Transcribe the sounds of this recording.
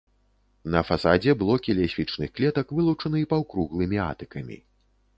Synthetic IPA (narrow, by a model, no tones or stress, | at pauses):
nɐfasad͡zʲɛbɨlˠɔkʲilʲɛsʲfʲit͡ʂnɨxklʲɛt̪ɐkvɨlˠut͡ʂɐnɨipawkɾuɣlˠɨmʲia̰t̪ɨkɐmʲḭ